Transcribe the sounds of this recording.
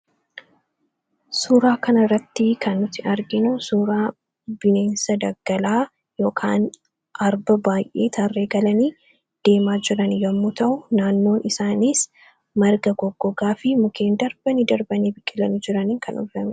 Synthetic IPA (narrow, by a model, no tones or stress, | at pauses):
suːɾaːkɐnɐrːɐt̪ːɪkɐnːʊt̪ːɪɐɾɡɪnʊsuːɾaː | b̥ɪne̞ːnsɐd̪ɐɡ̥ːɐlaː | jo̞ːkʰa̰ːn | ʔɐɾbɐbaːjʔḛːt̪ʰɐrːe̞ːɡɐlɐniː | d̪̥e̞ːmaːd͡ʒɪɾɐnjɐmːʊt̪ɐʔʊnaːnːo̞ːnɪsaːniːs | mɐɾɡɐɡɔɡːɔɡaːfɪmʊkʰe̞ːnd̪ɐɾb̥ɐnid̪ɐɾbɐnibɪkʼːɪlɐnɪd͡ʒɪɾɐniːŋkʰɐnɔ̰ɐmɪ